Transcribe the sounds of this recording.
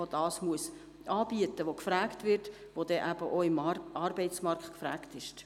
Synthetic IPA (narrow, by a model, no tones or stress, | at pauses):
od̥ɑːsmuəs | ʔɑːbiətəʋokfɾæːktʋɪrt | ʋod̥ɛʔæb̥əʔoɪmʔɑrbɛɪtt͡smɑrkχtkfɾæːktɪʃt